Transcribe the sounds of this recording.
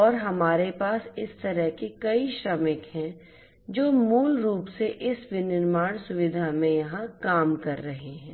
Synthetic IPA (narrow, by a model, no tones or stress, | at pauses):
ɔːɾɦɐmaːɾepaːsɪst̪ɐɾəɦkekɐiʃɾɐmɪkɦɛ̃ | d͡ʒoːmuːlɾuːpseʔɪsʋɪnɪɾmaːɽ̃sʊʋɪd̪ʱamẽjɐɦãkaːmkɐɾːɐɦeɦɛ̃ː